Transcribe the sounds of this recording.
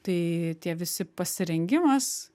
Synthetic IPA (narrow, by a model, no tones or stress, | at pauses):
t̪ɐɪt̪ʲiɛʋʲɪsʲɪpɐsʲɪɾʲɛŋʲɡʲɪmɐs